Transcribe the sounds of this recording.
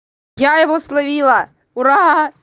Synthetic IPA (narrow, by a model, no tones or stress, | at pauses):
jajɔʋɔslˠɐʋʲilˠɐ | ʊɾɑɦa